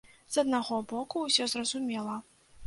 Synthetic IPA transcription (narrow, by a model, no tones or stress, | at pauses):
z̥ɐd̪naɣɔbɔkuːsʲɔzrɐzumʲɛlˠɐ